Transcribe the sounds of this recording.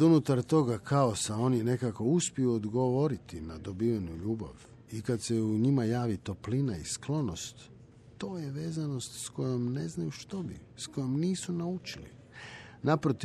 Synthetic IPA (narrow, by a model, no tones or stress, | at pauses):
d̪unut̪aɾt̪o̞ɡakʰaosao̞nijne̞kako̞uspiuod̪ɡo̞ʋo̞ɾit̪inad̪o̞biʋanuʎuːba̰ʋ | ikad̪seuɲimajaːʋit̪o̞plinaisklˠo̞no̞st̪ː | o̞ːjeʋe̞ːzano̞st̪sko̞jomne̞znajuʃt̪o̞bḭsko̞jomniːsunaut͡ʃilḭ | napɾot̪i